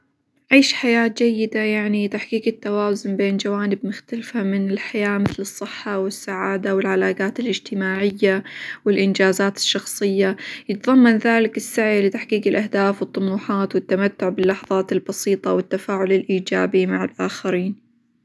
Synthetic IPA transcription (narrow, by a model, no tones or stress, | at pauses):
ʕiːʃħajaːt̪d͡ʒajːɪd̪ajaʕnit̪aħkiːkɪt̪ːawaːzʊnbeːnd͡ʒawaːnɪbmʊxt̪alfamɪnɪlħajaːmɪθlɨsˤːɨħːɑwɪsːaʕaːd̪awɪlʕalaːɡaːt̪ɪlʔɪd͡ʒt̪ɪmaːʕɪjːawɪlʔɪnd͡ʒaːzaːt̪ɪ̥ʃːɑxsˤɨjːajɪt̪ðˤɑmːɑnðaːlɪkɪsːaʕjlɪt̪aħkiːkɪlʔahd̪aːfwɨt̪ˤːʊmuːħɑːt̪wɪt̪ːamat̪ːʊʕbɪlːɑħɑðˤɑːt̪ɪlbɑsiːt̪ˤɑwɪt̪ːafaːʕʊlɪlʔiːd͡ʒaːbimaʕɪlʔaːxaɾiːn